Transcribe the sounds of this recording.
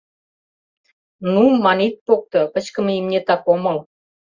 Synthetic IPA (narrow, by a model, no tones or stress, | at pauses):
numːɑnit̪̚pok̚t̪ŏkə̆t͡ɕkə̆meimnʲet̪ɑkomɤ̆l